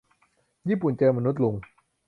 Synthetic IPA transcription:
jiː˥˩pu˨˩nt͡ɕɤː˧ma˧nu˦˥t̪̚lu˧ŋ

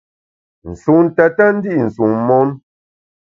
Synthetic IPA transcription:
n̩˨su˨ŋn˨tɛ˨tɛ˦n̩˦di˦ʔn̩˨su˨ŋmɔ˦n

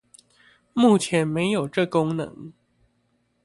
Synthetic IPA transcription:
mu˥˩t͡ɕʰjɛ˧˥nme˧˥ɪjo˨˩ʊʈ͡ʂɤ˥˩kʊ˥ŋnɤ̰˧˦ŋ

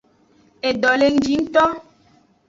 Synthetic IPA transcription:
e˨dɔ˨le˨n̩˨˦d͡ʒi˨˦n̩˦t̪ɔ˦

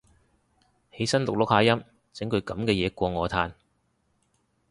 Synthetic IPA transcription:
he˨˥jsɐ˥nlʊ˨k̚lʊ˨˥k̚haː˧jɐ˥m | t͡sɪ˨˥ŋkʰɵ˨˧ɥkɐ˨˥mkɛː˧jɛː˨˧kʷɔː˧ŋɔː˨˧t̪ʰaː˧n

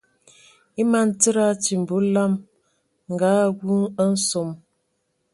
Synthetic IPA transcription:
i˦ma˨˦n̩˦tə˦ɾa˦t͡ʃi˨m̩˨bu˨˦la˦m | ŋ̩˨ɡa˨˦ɡu˦ŋə˦n̩˦so˨m

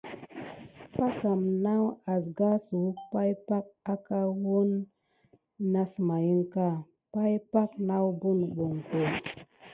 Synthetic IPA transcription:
pa˦ka˨mna˦wa˨s̬ɡa˦su˨u˦pa˦jpa˦k̚a˦ka˦wo˦n | a˦sma˨ji˦ŋka˦˨ | pa˦jpa˦kna˦wbu˦˨nɓo˨ŋko˨

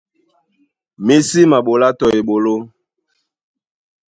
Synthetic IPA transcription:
mi˦si˦ma˨ɓo˨la˦tɔ˨e˨ɓo˨lo˦

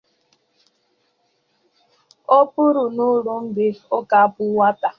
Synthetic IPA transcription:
o˦pu˦ɾu˨nu˦ɾu˦n̩˦dɪ˦o˦ka˦˨pʊ˦wa˦ta˨

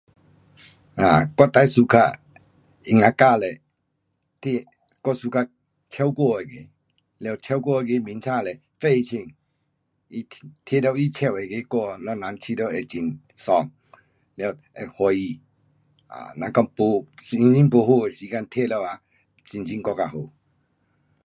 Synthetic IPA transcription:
a˨kɔ˦˨t̪a˧˦su˧kʰa̰˧˨ | i˧ŋa˧˨ka˧˨lɛ˨ | t̪ʰe˧˨ | kɔ˦˧su˧kʰa˧ | t͡ɕʰjɛ˦wkɔ˥˧˨e˨ɡe˨ | le˧˨t͡ɕʰɛ˦wkɔ˥˦˧e˧˨ɡe˧˦mi˨˦nt͡sʰã˥˧˨lɛ˨ | fe˥˦˨i˧t͡ɕʰi˧˨ŋ | i˧t̪ʰe˦˨lɛ˧˨wi˦t͡ɕʰɛ˧˨wɛ˨ɡe˧˦kɔ˥˧˨lɔ˧˨na˨˧˦ŋt͡ɕʰi˧˦dɔ˧˨ɛ˨t͡ɕi˧˨n | sɔ˧˨ŋ | lɛ˧˨ | ɛ˨hɔ˧i˧˨ | a̰˨nã˧kɔ˦˧˨ŋpo˨˧˨i˧ŋi˦ŋpo˨˧ɦo˧˨e˨si˨˧˦ka˧˨nt̪ʰe˦˨lɛ˧˨a˨ | t͡ɕi˨nt͡ɕi˦ŋkɔ˧˨ka˧˨ɦo˨

